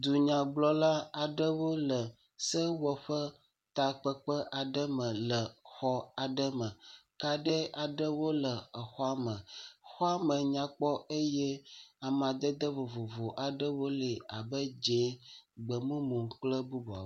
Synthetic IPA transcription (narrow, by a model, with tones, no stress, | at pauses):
d̪u˨ɲã˨ɡ͡blɔ˦la˦a˨ɖə˦wo˦lə˨ | sə˦wɔ˨ɸə˦ | t̪a˨k͡pə˦k͡pə˦ʔa˨ɖə˦mə̃˨lə˨xɔ˦a˨ɖə˦mə̃˨ka˨ɖə˦a˨ɖə˦wo˦lə˨ə˨xɔ˦a˦mə̃˨xɔ˦a˦mə̃˨ɲã˨k͡pɔ˦e˦jɛ˦a˨m˨ã˨d̪ə˦d̪ə˦vo˨vo˨vo˨ʔa˨ɖə˦wo˦le˨a˨bə˦d͡ʒe˨˦ɡ͡bə˨mũ˦mũ˨k͡plə˦bu˦bɔ˨a̰˨